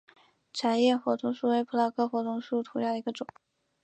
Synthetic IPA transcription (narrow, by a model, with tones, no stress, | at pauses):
ʈ͡ʂʰa˧˥njɛ˥˩xwɔ˧˥t̪ʰʊ˧˥ŋʂu˥˩we˧˥ɪpʰu˧˥la˧˥˩kʰɤ˥˩xwɔ˧˥t̪ʰʊ˧˥ŋʂu˥˩t̪ʰu˧˥ljɑ˥˩d̪ə˧i˧˥ɡə˧ʈ͡ʂʊ˨˩˦